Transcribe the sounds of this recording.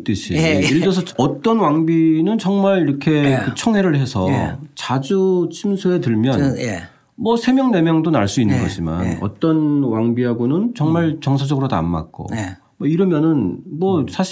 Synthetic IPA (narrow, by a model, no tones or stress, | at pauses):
t͈ɯɕʰiiɭd͡ʑʌsʰʌʌt͈ʌnwaŋbinɯnt͡ɕʌŋmaɭiɾʌkʰe̞kɯt͡ɕʰʌŋɦe̞ɾɯɭhe̞sʰʌ̰t͡ɕad͡ʑut͡ɕʰimsʰue̞tɯɭmjʌn | mʌsʰe̞mjʌŋne̞mjʌŋdonaɭs͈uinːɯnɡʌd͡ʑima̰nʌ̰t͈ʌnwaŋbiɦaɡonɯnt͡ɕʌŋmaɭt͡ɕʌŋsʰad͡ʑʌɡɯɾoda̰mːa̰k̚k͈o̰ | ʌiɾʌmjʌnɯnmʌsʰaɕ